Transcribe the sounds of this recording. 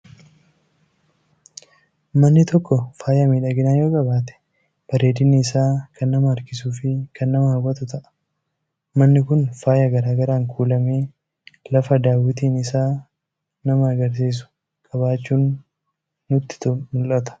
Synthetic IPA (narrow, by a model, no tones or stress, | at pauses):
mɐnːɪt̪ɔkːɔfaːjamiːᶑaːɡɪnaːjo̞ːkʼɐbaːt̪ɛ̥ | b̥ɐɾeːd̪ɪnɪːsaːkʰɐnːɐmɐːɾkɪsuːfɪkʰɐnːɐmɐhɐwɐt̪ʊt̪ɐʔɐ̥ | mɐnːɪkʊnfaːjɐɡɐɾaːɡɐɾaːŋkʰuːlɐme̞ː | lɐfɐd̪aːwɪt̪iːnɪsaː | nɐmɐɐɡɐɾs̬iːs̬ʊ̥ | kʼɐbaːt͡ʃːuːnː | ʊt̪ːɪ̥t̪ʊmʊlʔɐt̪ɐ̥